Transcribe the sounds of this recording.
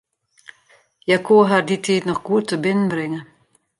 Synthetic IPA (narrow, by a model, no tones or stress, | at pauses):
jakoːɦarditʰiːtnɔχɡ̥uətːəbɪnənbrɪŋə